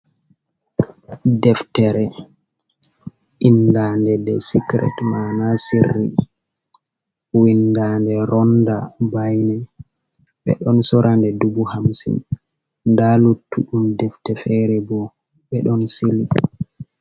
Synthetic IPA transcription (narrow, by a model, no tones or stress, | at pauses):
dɛftɛɾɛ | ʔindandɛdɛsikɾɛ̰tmanasirːḭ | windandɛɾɔndabajnɛ | ɓɛ̰ɗɔnsɔɾʔandɛdubuhamsḭn | ndalutːuɗumdɛftɛfɛɾɛbɔ | ɓɛɗɔnsili